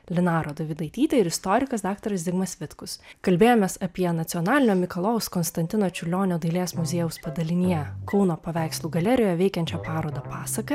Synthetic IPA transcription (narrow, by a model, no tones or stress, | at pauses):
lʲɪnɑːɾoːd̪ɐʋʲɪd̪ɐɪt̪ʲiːt̪ʲɛɪɾɪst̪oːɾʲɪkɐsd̪ɑːkt̪ɐɾɐs̬d̪ʲɪɡmɐsʋʲɪt̪kʊskɐlʲbʲeːjoːmʲeːsɐpʲiɛnɐt̪sʲiɔnɑːlʲɪnʲoːmʲɪkɐlˠoːʊskɔnst̪ɐnʲt̪ʲɪnoːt͡ʃʲʊlʲoːnʲoːd̪ɐɪlʲeːsmʊzʲeːjʊspɐd̪ɐlʲɪnʲɪjɛkɔʊnoːpɐʋʲæˑɪkslˠuːɡɐlʲɛɾʲɪjoːjɛʋɛɪkʲɛnʲt͡ʃʲɛpɑːɾoːd̪ɐpɑːsɐkɐ